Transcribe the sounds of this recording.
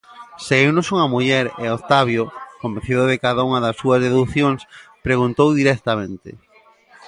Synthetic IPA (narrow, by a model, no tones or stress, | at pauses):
seewnosuŋɐmuʎɛɾḛot̪aβjokombẽn̟θiðoðekaðauŋɐðɐsːuɐzðeðuθjoŋspɾeɣunt̪owðiɾɛk̚t̪amẽnt̪ɪ̰